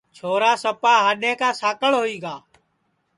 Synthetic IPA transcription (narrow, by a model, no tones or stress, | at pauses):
t͡ʃʰoːɾaːsəpaːɦaːɗeːkaːsaːkəɭɦoːiːɡaː